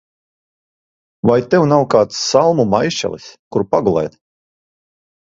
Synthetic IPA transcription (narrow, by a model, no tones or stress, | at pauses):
vajt̪ɛwnawkaːt̪sːalˠmumajʃt͡ʃɛ̰lˠḭskuɾpaɡulˠɛ̰jt̪